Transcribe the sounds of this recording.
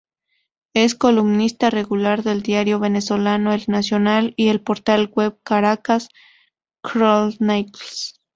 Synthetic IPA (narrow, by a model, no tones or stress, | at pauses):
e̞sko̞lumnist̪are̞ɣulaɾðe̞ld̪jaɾjo̞βeneso̞lanoelnasjo̞nalie̞lpo̞ɾt̪alɣweβkaɾakas | kɾolnajtls